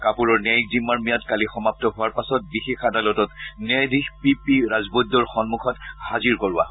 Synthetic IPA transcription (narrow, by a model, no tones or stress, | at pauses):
kapuɹɔɹnejk̚zimaɹmijatkalixɔmap̚tɔɦʊwaɹpasɔt̚bixexadalɔtɔtnɛdixpipiɹazbodːɔɹxɔnmuxɔthaziɹkoɹʊwa̰